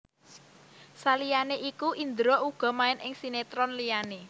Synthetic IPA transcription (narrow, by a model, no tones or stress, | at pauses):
salijaneʔikuʔind̪ɾoʔuɡ̥ɔ̤maɪnʔɪŋsinet̪ɾɔnlijane